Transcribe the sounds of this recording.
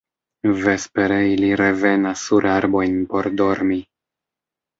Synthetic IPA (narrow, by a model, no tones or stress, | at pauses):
ve̞spe̞ɾeiliɾe̞ve̞nasːuɾaɾbo̞jnpo̞ɾdo̞ɾmi